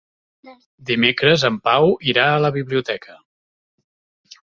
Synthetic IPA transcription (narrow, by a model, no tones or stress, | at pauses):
d̪imekɾəzəmpawiɾaələβiβliut̪ɛkʰə